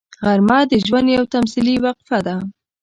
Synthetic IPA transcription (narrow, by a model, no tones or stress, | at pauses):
ɣaɾmɑd̪əʒwand̪jawt̪amsiliwaqfad̪a